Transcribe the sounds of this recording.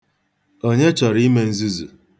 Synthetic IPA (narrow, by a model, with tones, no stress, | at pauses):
o˦ɲe˦t͡ʃɔ˨ɾi˦me˦n̩˦zi˦zṵ˨